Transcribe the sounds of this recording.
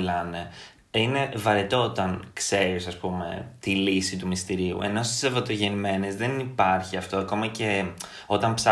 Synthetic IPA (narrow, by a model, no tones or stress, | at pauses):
lɐne̞ | ine̞vɐɾet̪o̞ot̪ɐnkse̞ɾisɐspume̞̰t̪ilisit̪umist̪iɾiṵe̞̰no̞st̪i̥sevɐt̪oʝe̞nime̞nezðenipɐɾçiɐft̪oɐko̞mɐce̞ | o̞t̪ɐmpsɐ